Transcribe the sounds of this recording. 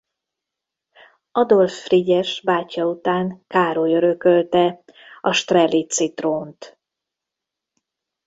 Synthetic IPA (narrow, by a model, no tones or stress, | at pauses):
ɒd̪o̞lfːriɟɛʃbaːcːɒut̪aːŋkaːɾojøɾø̞kølt̪ɛɒʃt̪rɛlːit̪sit̪roːnt̪